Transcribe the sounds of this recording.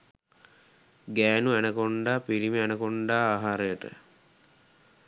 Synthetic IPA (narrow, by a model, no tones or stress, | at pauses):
ɡæːnuænəkoɳɖaːpiɾiməænəkoɳɖaːɦaɾəjəʈə̰